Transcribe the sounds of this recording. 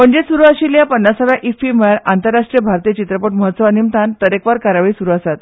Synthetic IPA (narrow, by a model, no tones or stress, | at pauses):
m̤əɳd͡ʑesuɾuːaɕiːljapənːasəʋjaʔifimɭaɾant̪əɾːaʂʈɾijəbʱaɾt̪iːjət͡ɕit̪ɾəpəʈməɦət̪səʋanimt̪ant̪əɾekʋaɾkaɾaʋiːsuɾuːəsat̪